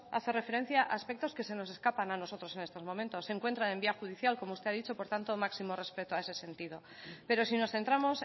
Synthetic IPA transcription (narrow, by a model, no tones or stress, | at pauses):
a̰θore̞fe̞ɾe̞n̟θjaʔa̰ːspe̞k̚t̪o̞ske̞se̞no̞se̞skapanano̞sot̪ɾo̞se̞ne̞st̪o̞zmoment̪o̞sːeŋkwe̞nt̪ɾaembiaxuð̞iθjalko̞moust̪e̞aðit͡ʃo̞po̞ɾt̪ant̪omaksimo̞re̞spe̞t̪oae̞se̞se̞nt̪iðo̞ | pe̞ɾo̞sino̞sθe̞nt̪ɾamo̞s